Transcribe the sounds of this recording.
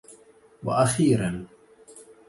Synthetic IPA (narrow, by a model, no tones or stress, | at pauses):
wa̰ʔaxiːɾan